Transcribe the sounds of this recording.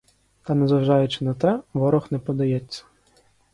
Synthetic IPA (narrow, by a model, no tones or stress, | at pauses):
t̪ɐnɛzɐʋʒɑjʊt͡ʃɪ̥nɐt̪ɛʋɔɾɔxnɛpɔd̪ɐjɛt͡sʲːɐ̥